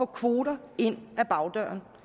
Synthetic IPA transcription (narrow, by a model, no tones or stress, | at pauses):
ɔ̰ːkʰʋo̝ːɾɐe̝n̰æb̥ɑ̈ʊd̥ɶ̰ɐn